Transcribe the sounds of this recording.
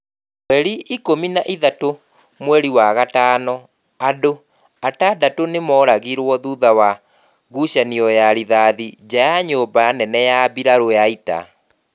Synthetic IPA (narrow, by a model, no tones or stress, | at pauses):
wɛɾiikominaʔiðato | mwɛɾiwaɣataːnɔ | ado | atadatonemɔːɾaɣiɾwɔðuðawa | ɣuʃaniɔjaɾiðaːðid͡ʑajaɲoːbanɛnɛjabiɾaɾojaita̰